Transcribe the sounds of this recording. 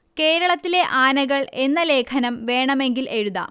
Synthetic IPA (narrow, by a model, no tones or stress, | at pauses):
ke̞ːɾɐɭɐt̪ːile̞ʔaːnɐɣɐɭe̞nːɐle̞ːkʰɐnɐmʋe̞ːɳɐme̞ŋɡile̞ɻuðɐ̰